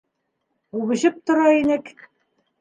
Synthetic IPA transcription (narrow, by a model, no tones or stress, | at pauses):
uβɘ̆ɕɘp̚t̪ŏɾɑinɘk